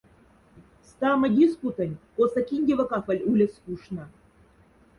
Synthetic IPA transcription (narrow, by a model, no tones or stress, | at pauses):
st̪ɑmɤ̆dʲisput̪ə̆nʲkosɑkʲinʲdʲevə̆kɑfə̆lʲulʲɘ̆skuʂnɤ̆